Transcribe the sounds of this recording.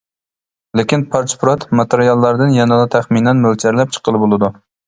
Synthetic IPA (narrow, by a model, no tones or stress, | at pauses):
lekʲɪnpʰɑɾt͡ʃpɾɑt̪mɑt̪eɾijɑlˠːæɾd̪ɨnjɛnɑlˠɑt̪ʰæχminɛnmølt͡ʃʰæɾlɛp̚t͡ʃʰə̥qʰəlˠɨbolˠɨd̪u